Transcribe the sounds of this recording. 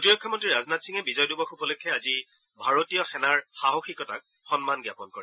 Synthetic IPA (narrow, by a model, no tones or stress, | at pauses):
potiɹɔkʰːamɔntɹiɹaznatsiŋɛbizɔjdubɔxupɔlukʰːɛazi | bʱaɹotijɔxɛnaɹxaɦoxikɔta̰k̚ | xɔnmanɡjapɔnkɔɹɛ